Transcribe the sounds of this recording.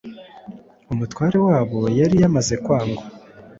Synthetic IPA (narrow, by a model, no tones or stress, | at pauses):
umutwaːɾe̞waːβo̞jaɾijamaze̞kwaːŋɡa